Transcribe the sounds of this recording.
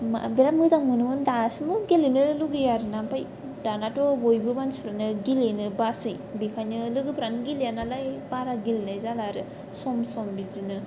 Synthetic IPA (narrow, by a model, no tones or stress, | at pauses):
ma̰biɾamɯzaŋmɯnɯmɯndasmɯɡilenɯluɡɯjaɾɯnampaj | danatɔbojbɯmansi̥pʰɾanɯɡilenɯbasɯj | bikʰajnɯlɯɡɯpʰɾanɯɡiljanalajbaɾaɡilnajzalaɾɯ | sɔmsɔmbizinɯ